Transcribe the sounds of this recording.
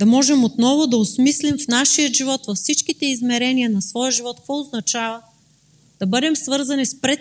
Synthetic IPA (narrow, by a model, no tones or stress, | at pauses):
d̪̥ɐmɔʒɛmot̪nɔvod̪ɐosmislimfnaʃijəʒivɔt̪vɐfsit͡ʃkit̪ɛizmɛɾɛniənɐsvɔjəʒivɔt̪kvɔʊznɐt͡ʃavə | d̪̥ɐbɤd̪ɛmsvɤɾzɐnispɾɛt̪